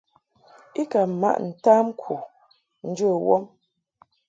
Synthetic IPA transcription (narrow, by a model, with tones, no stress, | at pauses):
i˦ka˨ma̰˦ʔn̩˨ta˦m˦kʰu˨ | n̩˦d͡ʒə˦˨wɔ˦m